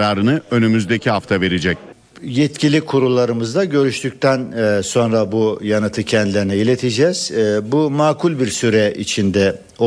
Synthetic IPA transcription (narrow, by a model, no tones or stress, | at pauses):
ɾaːɾɯnɯø̞nymyzd̪ecʰiɦaft̪ʰave̞ɾed͡ʒɛc̚ | jɛt̪cʰilʲikʰuɾulˠːaɾɯmɯzd̪aɟø̞ɾyʃt̪ʰyc̚ʲt̪ʰænːso̞nɾabujanɯt̪ʰɯcʰɛnd̪ilʲeɾinɛilʲet̪ʰid͡ʒɛːz̥bumaːkʰulʲbiɾsyɾɛʔit͡ʃʰind̪ɛ | o